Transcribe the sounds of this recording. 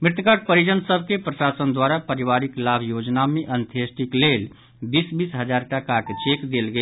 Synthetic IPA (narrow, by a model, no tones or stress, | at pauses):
mɾɪt̪kaʈ̚pəɾid͡ʒənsəb̚ʱkepɾəʃasənd̪waɾapəɾiʋaɾiklabʱjod͡ʒnameʔənt̪ʰesʈiklel | bisbisɦəd͡ʒaɾʈakaket͡ʃekd̪elɡə